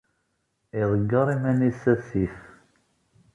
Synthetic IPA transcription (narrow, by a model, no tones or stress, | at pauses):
iðˤəɡːɑɾˤimænisæθif